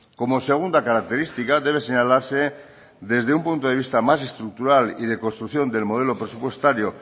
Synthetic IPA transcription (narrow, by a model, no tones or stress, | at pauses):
ko̞mo̞se̞ɣ̞und̪akaɾak̚t̪e̞ɾist̪ikaðe̞β̞eseɲalaɾse | d̪e̞zðe̞umpunt̪oð̞e̞β̞ist̪amas̬e̞st̪ɾuk̚t̪uɾalið̞e̞ko̞nst̪ɾukθjo̞nd̪e̞lmo̞ð̞e̞lo̞pɾe̞supwe̞st̪aɾjo̞